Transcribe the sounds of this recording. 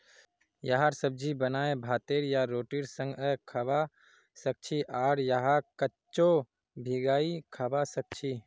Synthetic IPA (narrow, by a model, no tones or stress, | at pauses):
jaɦaɾsəb̚d͡ʒibənaːebʱaːt̪eɾjaɾoːʈiɾsə̃ŋɡəkʰaba | sək̚t͡ʃʰiʔaɾjəɦakətːt͡ʃo | bʱiɡaːikʰabasək̚t͡ʃʰi